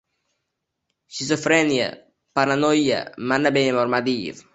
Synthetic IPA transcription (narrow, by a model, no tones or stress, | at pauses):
ʃizɔfɾɛnja̰ | paɾanɔja̰manːabɛnemɔɾmad̪iːv